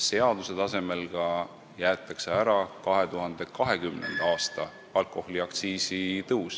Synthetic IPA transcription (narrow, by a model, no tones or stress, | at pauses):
se̞ɑd̪use̞t̪ɑse̞me̞lɡ̥ɑ | jæːt̪ːˑɑkseæɾɑkɑɦe̞t̪uɦɑnd̪̥e̞kɑɦekymnḛnd̪̥ɑːst̪ɑ | ɑlkːˑo̞hliɑkt̪siːsit̪ɤus